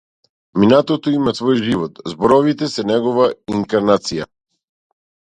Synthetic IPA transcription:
minat̪ɔt̪ɔimasvɔjʒivɔt̪zbɔɾɔvit̪ɛsɛnɛɡɔvaiŋkaɾnat̪sija

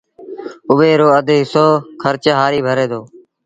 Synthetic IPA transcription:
ʊʋeːɾoːəd̪ʱɦɪsoːkʰəɾt͡ʃɦaːɾiːbʱəɾeːd̪oː

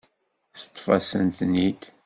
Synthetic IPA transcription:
θt̪ˤːfɑ̰sənt̪nid̪

